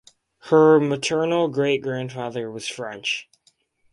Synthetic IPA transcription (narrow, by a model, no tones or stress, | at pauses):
hə˞mətʰɜ˞nl̩ˠɡɹeɪt̚ɡ̥ɹæ̃nd̥fɑðə˞wʌz̥fɹɛ̃nt͡ʃ